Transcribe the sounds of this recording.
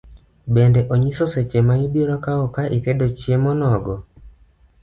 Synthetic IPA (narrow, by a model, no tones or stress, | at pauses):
bendɛʔoɲisɔset͡ʃemaibiɾɔkaɔkaʔikedot͡ʃjemɔnɔɡɔ